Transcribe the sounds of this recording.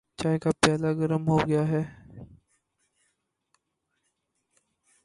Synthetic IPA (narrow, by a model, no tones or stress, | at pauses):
t͡ʃaːekapɛːlaɡɐɾəmɦoɡɐjaɦɛː